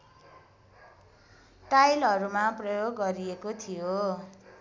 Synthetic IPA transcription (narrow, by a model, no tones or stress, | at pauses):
ʈajlɦʌɾumaprʌjoɡːʌɾiekot̪ʰijo